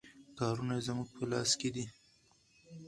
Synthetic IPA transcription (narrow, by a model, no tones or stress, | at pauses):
kɑɾunazmuɡ̚pʰəlɑ̰sked̪i